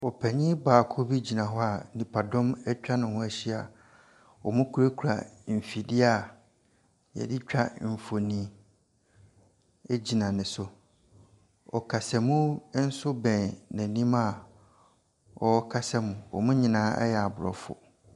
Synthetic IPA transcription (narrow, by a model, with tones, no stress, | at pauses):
ɔ˨pʰɛ˨ɲĩ˦baː˨kʰo˦bi˦d͡ʑi˨nã˨ɦɔ˦a˨nĩ˨pʰa˨dɔ̃˦mɛ˦t͡ɕᶣa˦nʊ̃˨hʊ̃˦æ˦ɕi˦a˨ | wɔ˨mʊ̃˦kʰu˦ɾe˦kʰu˨ɾa̰˨m̩˨fi˨dɪ˦a˨ | jɛ̰˨dɪ˦t͡ɕᶣa˦m̩˨fo˨nĩ˨ | e˦d͡ʑi˨nã˨nɪ̃˨sʊ˦ | ɔ̰˨kʰa˨sɛ˨mũ˦n̩˦sʊ˦bɛ̃˨nnæ̃˨nĩ˦ma˦ | ɔ˨˦kʰa˦sɛ˦mũ˨wɔ̰˨mʊ̃˦ɲĩ˨nãː˨˦ɛ̰˦jɛ˨a˨bʊ˨ɾɔ̰˨fʊ̰˨